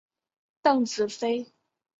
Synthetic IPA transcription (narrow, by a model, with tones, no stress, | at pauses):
t̪ɤ˥˩ŋt͡sɹ̩˨˩fe˥ɪ